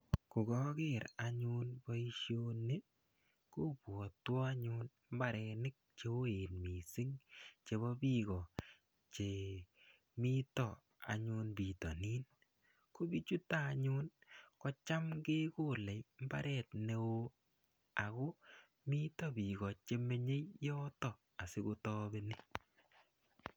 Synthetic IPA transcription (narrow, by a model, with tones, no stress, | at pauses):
ku˨ɡɔ˦kɪ˦˨ɾa˨ɲʊ˦nbɔ˦i˦ʃjo˦ne˦ | ku˦pɔ˨twɔ˦a˦ɲʊ˦n | m̩˦ba˦ɾɛ˧nɪ˦k̚t͡ʃe˧wo˦e˨nmi˨sɪ˦ŋt͡ʃe˧βɔ˦bi˦ɡɔ˨ | t͡ʃe˨ | mi˦tɔ˨ | a̰˨ɲʊ˧nbi˨tɔ˨ni˦n | ko˦bi˦t͡ʃu˦taː˦˨ɲʊnkɔ˦t͡ʃa˦mɡe˦ko˦˨lɛ˨jm˦ba˦ɾɛ˦˨tne˨wo˦ | a˨ko˦ | mi˦tɔ˦bi˨ɡɔ˨t͡ʃe˧me˦ɲe˦jjɔ˦tɔ˨ | a˨sɪ˦ɡo˧tɔ˦be˧ni˦